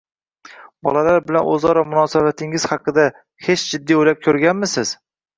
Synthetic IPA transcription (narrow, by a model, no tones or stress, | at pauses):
bɒ̰lalaɾbɪlanʔɵ̰zɒɾamʊnɒsabat̪ʰɪŋɪz̥hɑqʰɨd̪a | he̞t͡ʃd͡ʒɪd̪ːiojlap̚kʲʰɵɾɡʲanmɪsɪz̥